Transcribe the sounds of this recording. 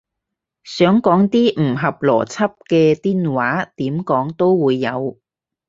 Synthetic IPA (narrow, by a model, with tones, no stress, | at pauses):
sœː˨˥ŋkɔː˨˥ŋt̪iː˥m̩˨˩ɦɐ˨p̚lɔ̰ː˨˩t͡sʰɐ˥p̚kɛː˧t̪iː˥nwaː˨˥t̪iː˨˥mkɔː˨˥ŋt̪o˥wwuː˨˧jːɐ˨˧w